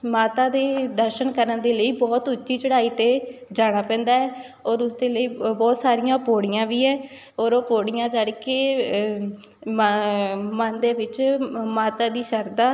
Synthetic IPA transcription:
maːt̪aːd̪eːd̪əɾʃənkəɾənd̪eːləiːbɔːt̪ʊt͡ʃːʃʰiːt͡ʃəɽaːiːt̪eːd͡ʒaːɽ̃aːpɛ̃ːnd̪aːɦɛː | ɔːɾʊsd̪eːləiːbɔːt̪saːɾɪjãːpoːɽɪjãːʋiːɛː | ɔːɾopoːɽɪjãːd͡ʒaːɽkeː | mənd̪eːʋɪt͡ʃmaːt̪aːd̪iːʃəɾd̪aː

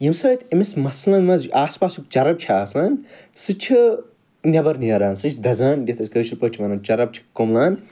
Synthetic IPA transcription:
jimsɐːt̪ʰemesmɐslɐnmɐzʔaːspaːsuk̚t͡ʃɐɾɐb̚t͡ʃʰiaːslaːn | sɨt͡ʃʰi | nʲɐbɐɾniɐɾaːnsɨt͡ʃʰd̪ɐzaːndʲɐt̪ʰɐsʲkɐt͡ʃʰilpɐt͡ʃʲʰimɐnɐnt͡ʃɐɾɐb̚t͡ʃʰi̥komlaːn

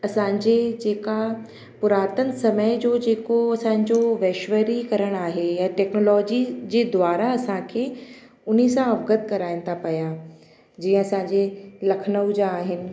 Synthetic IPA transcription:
ɐsãːɲd͡ʑed͡ʑeːka | pʊɾaːt̪ənɪ̆sɐməɪd͡ʑoːd͡ʑeːkoɐsãːɲ̆d͡ʑoʋeːʃʋəɾikɐɾəɽ̃aːɦejaʈɛːknoːlɔːd͡ʑid͡ʑeːd̪ʊwaːɾaɐsãkʰeː | ʊnisãɐʋɡət̪̚kɐɾaːɪnɪ̆t̪ʰapɐja | d͡ʑĩːə̃ɐsãɲd͡ʑelɐkʰənəʋd͡ʑaːɦɪnɪ̆

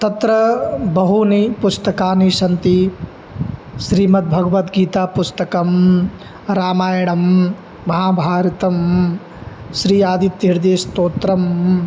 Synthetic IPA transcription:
t̪ɐt̪ɾɐbɐɦunipust̪ɐkaːniʃɐnt̪i | ʃɾiːmɐt̪̚bʱɐɡɐʋɐt̪ɡiːt̪aːpust̪ɐkɐm | ɾaːmaːjɐɳɐmː | ɐɦaːbʱaːɾɐt̪ɐm | ʃɾiːaːd̪it̪ːiɾd̪eːʃt̪oːt̪ɾɐm

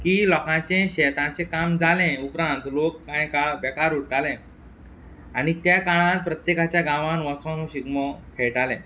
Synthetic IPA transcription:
kiːlɔkãt͡ɕẽɕɛt̪ãt͡sẽkamd͡zalɛ̃upɾãnt̪lokːãjkabɛkaɾuʈt̪alɛ̃ | aɽ̃it̪jakaɭ̃ãt̪pɾət̪jekat͡ɕjaɡãʋãnʋəsʋãnõɕiɡməkʰeɭʈalɛ̰̃

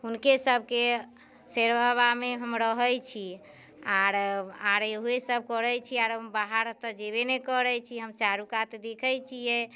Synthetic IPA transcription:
ɦunkesəb̚ʱke | seɾbaβameɦəmɾəɦəjt͡ʃʰi | aɾaɾeɦesəb̚ʱkəɾəjt͡ʃʰiaɾɦəmbaɦaɾt̪əd͡ʒeβenekəɾət͡ʃʰiɦəmt͡ʃaɾukat̪d̪ekʰəjt͡ʃʰijɛ

